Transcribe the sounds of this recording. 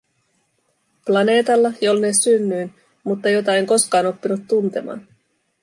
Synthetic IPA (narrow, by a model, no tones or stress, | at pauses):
plɑne̞ːt̪ɑlːɑjo̞lnesynːyːn | mut̪ːɑjo̞t̪ɑeŋko̞skɑːno̞pːinut̪ːunt̪e̞̰mɑ̰ːn